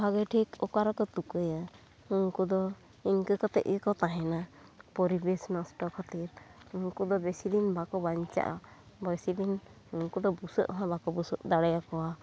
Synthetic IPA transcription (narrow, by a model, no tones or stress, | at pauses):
bʱaɡɛʈʰikɔkaɾakɔt̪ukɯja | uŋkɔd̪ɔ | inkɯkat̪ɛ̰ʔɛkɔt̪aɦɛnapɔɾibesnasʈɔkʰat̪iɾuŋkɔd̪ɔbɛsilinbakɔbaɲt͡ʃa̰ʔa̰ | bɔjsilin | uŋkɔd̪ɔbusɔʔɔɦabakɔbusɔʔd̪aɽajakɔwa